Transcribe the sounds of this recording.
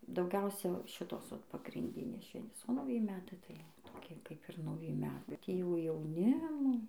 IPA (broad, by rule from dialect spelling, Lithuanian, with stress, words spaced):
dɐʊˈɡʲɛʊsʲɛ ˈʃʲɪtoːs ʋɐt pɐɡrʲɪnʲˈdʲɪnʲeːs ˈʃʲʋʲɛnʲtʲeːs oː nɐʊˈjɪ ˈmʲæːtɐɪ tɐɪ toːˈkʲiɛ kɐɪp ˈɪr nɐʊˈjɪ ˈmʲæːtɐɪ bʲɛt ˈjiɛ jɛʊ jɛʊˈnʲɪmoː